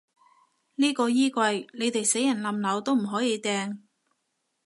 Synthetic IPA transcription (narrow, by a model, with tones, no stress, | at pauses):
niː˥kɔː˧jiː˥kwɐ˧jne˨˧jt̪e˨jse˨˥jɐ˨˩nlɐ˨mlɐ˨˧wt̪o˥wm̩˨˩ɦɔː˨˥jiː˨˧t̪ɛː˧ŋ